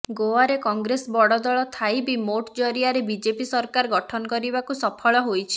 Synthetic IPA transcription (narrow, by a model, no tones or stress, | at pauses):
ɡoaɾekɔŋɡɾesbɔɽɔd̪ɔɭɔt̪ʰajbimoʈd͡ʒɔɾiaɾebid͡ʒepisɔɾkaɾɔɡɔʈʰɔnɔkɔɾibakusɔpʰɔɭɔɦojt͡ʃʰi̥